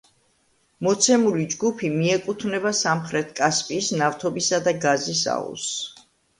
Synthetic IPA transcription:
mɔt̪sʰɛmulid͡ʒɡupʰimiɛkʼut̪ʰvnɛbasamχɾɛt̪ʰkʼaspʼiːsnaft̪ʰɔbisad̪aɡazisa̰ṵs

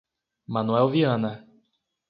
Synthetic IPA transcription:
manuɛwviɐ̃nɐ

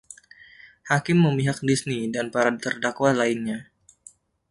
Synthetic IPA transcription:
hakɪmːəmiɦak̚disnidanpaɾadit̪ərdakwalainɲa

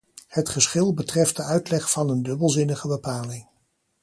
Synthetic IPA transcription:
hətχəsχɪlˠbətrɛftdəœɥtlɛχfɑnəndɵbəlˠzɪnəχəbəpaːlɪŋ

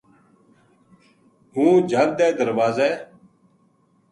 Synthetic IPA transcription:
ɦũːd͡ʒʱəld̪ɛːd̪əɾʋaːzɛː

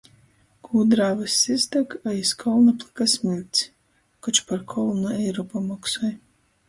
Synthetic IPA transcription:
kʰuːd̪ɾaːvasʲːizd̪akajiskʰɔlˠnaplˠɨkasmʲilʲt̪ʲsʲ | kɔt͡ʃpaɾkʰɔlˠnuɛjɾɔpamɔksɔj

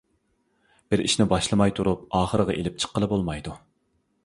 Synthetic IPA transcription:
b̥ɪɾḭʃnɪbɑʃlˠɨmɑjt̪ʰuɾup̚ɑːχəɾəʁɑʔelɪp̚t͡ʃʰə̥qːəlˠɨbolˠmɑjd̪u

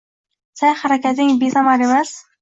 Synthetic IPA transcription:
sajχaɾakʲʰat̪ɪŋbesamɑɾemas

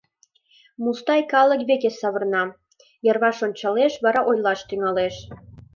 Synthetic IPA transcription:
must̪ɑjkɑlə̆kβekesɑβə̆rnɑ | jɤ̆rβɑʃonʲt͡ɕɑleʃβɑɾɑʔojlɑʃt̪yŋɑleʃ

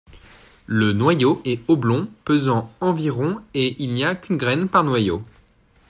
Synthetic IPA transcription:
lənwajoʔɛoblɔ̃pøzɑ̃ɑ̃viʁɔ̃eʔilniakʲynɡʁɛnpaʁnwajo

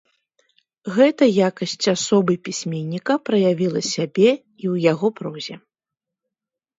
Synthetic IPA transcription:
ɣɛt̪ɐjakɐsʲt͡sʲasɔbɨpʲisʲmʲenʲːikɐpɾɐjavʲilˠɐsʲabʲɛ | iwjaɣɔpɾɔzʲɛ

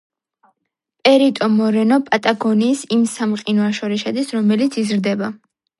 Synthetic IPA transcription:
pʼɛɾit̪ʼɔmɔɾɛnɔpʼat̪ʼaɡɔniːsimsamqʼinɔaʃɔɾiʃad̪isɾɔmɛlit̪sʰizɾd̪ɛba

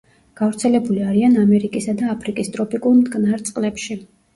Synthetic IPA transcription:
ɡ̥avɾt̪sʰɛlɛbuliaɾianamɛɾikʼisad̪aːpʰɾikʼist̪ʼɾɔpikʼuɾmd̪ɡnaɾt̪sʼqʼlɛpʃi

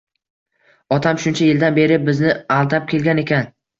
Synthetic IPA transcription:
ɒt̪ʰamʃʊnt͡ʃʰajɪld̪anbe̞ɾɪbɪznɪalˠd̪ap̚kʲʰe̞lɡʲane̞kʲʰan

